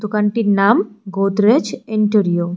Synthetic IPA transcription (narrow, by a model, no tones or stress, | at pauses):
t̪ukaɳʈinaːmɡoːt̪ɾet͡ʃɪɳʈəɾijo